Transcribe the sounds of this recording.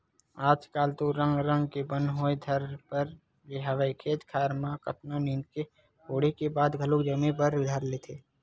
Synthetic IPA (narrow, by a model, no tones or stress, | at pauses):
aːd͡ʒkaːlt̪oɾə̃ŋɡɾə̃ŋɡkebə̃nɦoːed̪ʱɐɾpəɾ | ɾeɦaːʋaikʰeːt̪kʰaːɾmãkɐpnaniːnke | oːɽ̤ikebaːd̪ɡʱəlʊkd͡ʒɐmẽpəɾɪd̪ʱaːɾleːt̪ʰeː